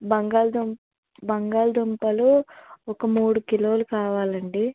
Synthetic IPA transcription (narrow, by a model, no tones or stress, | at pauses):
bɐŋɡaːld̪um | bɐŋɡaːld̪umpɐluɔkɐmuːɽukilo̞ːlukaːʋaːlɐɳɖi